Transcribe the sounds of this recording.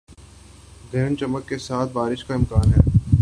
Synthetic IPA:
ɡ̪ʱɛːnt͡ʃɐməkːesaːt̪̚ʰbaːɾɪʃkaɪmkaːnɦɛː

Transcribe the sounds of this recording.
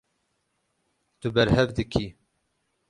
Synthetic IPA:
t̪ubɛɾhɛvd̪ɨkʰiː

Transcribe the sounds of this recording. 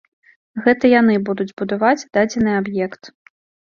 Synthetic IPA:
ɣɛt̪ɐjanɨbud̪ud͡zʲbud̪avad͡zʲd̪ad͡zʲɛnɨabjɛkt̪

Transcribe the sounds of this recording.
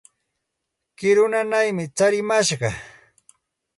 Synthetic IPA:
kɪɾʊnanajmɪt͡saɾɪmaʃɢɑ

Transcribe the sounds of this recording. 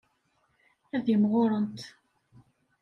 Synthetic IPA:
æðimʁoɾˤənt̪

